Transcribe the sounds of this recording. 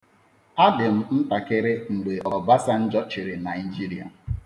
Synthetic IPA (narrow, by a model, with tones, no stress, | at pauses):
a˦dɪ˨m̩˦n̩˦ta˨ke˦ɾe˦n̩˨ɡ͡be˨ɔ˨ba˦sa˦n̩˦d͡ʒɔ˦t͡ʃɪ˨ɾɪ˨na˨i˨d͡ʒi˦ɾi˨a̰˨